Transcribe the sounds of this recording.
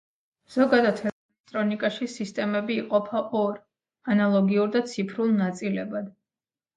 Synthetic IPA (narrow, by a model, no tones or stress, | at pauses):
z̥ɔɡad̪at̪ʰɛɛlɛt̪ʼɾɔnikʼaʃisist̪ʼɛmɛbiːqʼɔpʰaʔɔɾ | analˠɔɡiuɾd̪at̪sʰipʰɾulˠnat̪sʼilɛbad̪̥